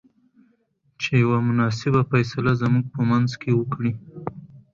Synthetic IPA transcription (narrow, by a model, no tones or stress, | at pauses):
t͡ʃejawamʊnɑs̬ɪbafajsalazəmuɡ̚pəmanzkewəkɽi